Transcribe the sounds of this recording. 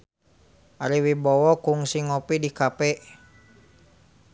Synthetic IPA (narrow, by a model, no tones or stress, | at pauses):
ʔaɾiwibɔwɔkuŋsiŋɔpidikapɛʔ